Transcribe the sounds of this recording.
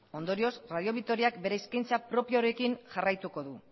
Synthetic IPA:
o̞nd̪o̞ɾio̞sraðio̞β̞ik̚t̪o̞ɾiakbe̞ɾe̞iskajnt͡sapɾo̞pioɾe̞kiŋʝarajt̪uko̞ðu

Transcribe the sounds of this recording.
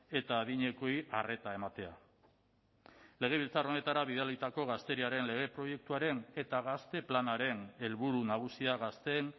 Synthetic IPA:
e̞t̪aːðiɲe̞ko̞iʔare̞t̪ae̞mat̪e̞a | le̞ɣ̞e̞β̞ilt͡saro̞ne̞t̪aɾaβiðalit̪ako̞ɣ̞ast̪e̞ɾiaɾe̞nle̞ɣe̞pɾo̞je̞k̚t̪uaɾe̞ne̞t̪aɣ̞ast̪e̞planaɾe̞ne̞lβuɾunaɣ̞usiaɣast̪e̞n

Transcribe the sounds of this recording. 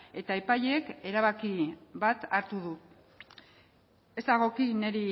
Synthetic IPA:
e̞t̪aepaʎeke̞ɾaβ̞akiβat̪aɾt̪uðu | e̞zd̪aɣ̞o̞kine̞ɾi

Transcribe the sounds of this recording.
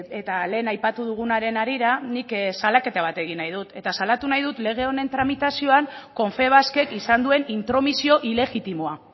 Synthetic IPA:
e̞t̪ale̞ːnajpat̪uðuɣ̞unaɾe̞naɾiɾaniksalake̞t̪aβ̞at̪e̞ɣinːajðut̪e̞t̪asalat̪unajðut̪le̞ɣ̞e̞o̞ne̞nt̪ɾamit̪asio̞aŋko̞ɱfe̞β̞aske̞kisand̪ue̞nint̪ɾo̞misio̞ʔile̞ɣit̪imoa

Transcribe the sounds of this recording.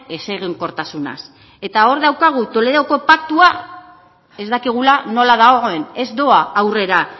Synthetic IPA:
e̞seɣeŋko̞ɾt̪asuna̰s | e̞t̪ao̞ɾðawkaɣ̞ut̪o̞le̞ðo̞ko̞pakt̪ua | e̞zd̪akiɣ̞ulano̞laðaɣoɣoe̞ne̞zd̪o̞aːwre̞ɾa

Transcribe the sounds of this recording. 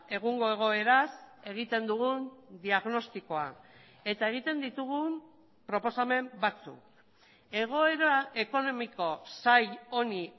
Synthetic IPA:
e̞ɣ̞uŋɡo̞e̞ɣ̞o̞e̞ɾase̞ɣ̞it̪e̞nd̪uɣund̪iaɣno̞st̪iko̞a̰ | e̞t̪ae̞ɣ̞it̪e̞nd̪it̪uɣum | pɾo̞po̞same̞mbat͡sṵk̚ | e̞ɣ̞o̞e̞ɾae̞ko̞no̞miko̞sajo̞ni

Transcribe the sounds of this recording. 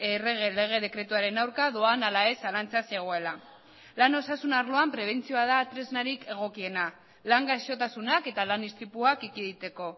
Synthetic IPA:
ereɣele̞ɣ̞e̞ð̞e̞kɾe̞t̪uaɾe̞nawɾkaðoanalae̞salant͡saseɣ̞oe̞la | lano̞sasunaɾlo̞ampɾe̞β̞e̞nt͡sio̞að̞at̪ɾe̞znaɾike̞ɣ̞o̞kie̞na | laŋɡaʃo̞t̪asunake̞t̪alanist̪ɾipuakikiðit̪e̞ko̞

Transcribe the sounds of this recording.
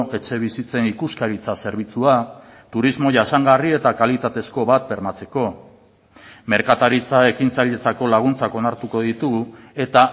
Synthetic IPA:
ʔe̞t͡ʃe̞β̞isit͡se̞nikuskaɾit͡sase̞ɾβ̞it͡sua | t̪uɾizmo̞ʝasaŋɡarie̞t̪akalit̪at̪e̞sko̞βat̪̚be̞ɾmat͡se̞ko̞ | me̞ɾkat̪aɾit͡sae̞kint͡saɾiðet͡sako̞laɣ̞unt͡sako̞naɾt̪uko̞ðit̪uɣue̞t̪a

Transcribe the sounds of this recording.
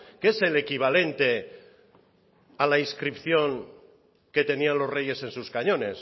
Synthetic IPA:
ke̞se̞le̞kiβ̞ale̞nt̪e̞ | alaiskɾipθjo̞ŋ | ke̞t̪e̞nianlo̞zre̞je̞se̞nsuskaɲõ̞ne̞s

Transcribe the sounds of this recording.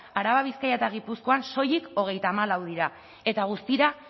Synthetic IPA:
aɾaβaβiskajat̪aɣ̞ipusko̞anso̞jiko̞ɣ̞e̞jt̪aːmalawð̞iɾa | e̞t̪aɣ̞ust̪iɾa

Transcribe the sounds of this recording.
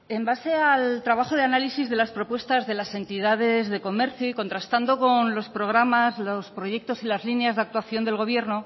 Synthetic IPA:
embase̞alt̪ɾaβaχoð̞eanalisizðe̞laspɾo̞pwe̞st̪azðe̞lase̞nt̪iðað̞e̞zðe̞ko̞me̞ɾθjoiko̞nt̪ɾast̪and̪o̞ko̞nlo̞spɾo̞ɣ̞ɾamazlospɾo̞ʝe̞k̚t̪o̞silazlineazðeakt̪waθjo̞nd̪e̞lɣ̞o̞β̞je̞ɾno̞

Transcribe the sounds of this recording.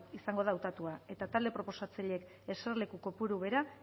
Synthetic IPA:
isaŋɡo̞ð̞aːwt̪at̪uae̞t̪at̪ald̪e̞pɾo̞po̞sat͡saʎe̞k | e̞serle̞kuko̞puɾuβe̞ɾa

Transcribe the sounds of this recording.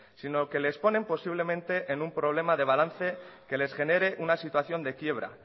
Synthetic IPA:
sino̞ke̞le̞spo̞nẽ̞mpo̞siβ̞le̞mẽ̞nt̪e̞ʔenumpɾo̞β̞le̞maðe̞β̞alanθe̞ke̞le̞sxe̞ne̞ɾe̞ʔunasit̪waθjo̞nd̪e̞kje̞β̞ɾa̰

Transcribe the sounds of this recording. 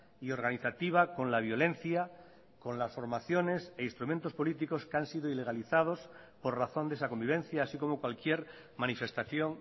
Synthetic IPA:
io̞ɾɣ̞aniθat̪iβ̞ako̞nlaβ̞jo̞lẽ̞nθja | ko̞nlasfo̞ɾmaθjo̞ne̞seinst̪ɾumẽnt̪o̞spo̞lit̪iko̞skeansiðoile̞ɣ̞aliθað̞o̞s | po̞ɾraθo̞nd̪e̞sako̞mbiβ̞ẽ̞n̟θjaːsiko̞mokwalkjeɾ | mãnife̞st̪aθjo̞ŋ

